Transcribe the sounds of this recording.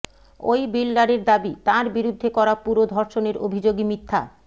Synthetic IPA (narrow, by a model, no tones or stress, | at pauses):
ojbilːaɾeɾd̪abit̪aɾbiɾud̪ʱːekɔɾapuɾod̪ʱɔɾʃoneɾo̰bʱid͡ʑoɡimit̪ʰːa̰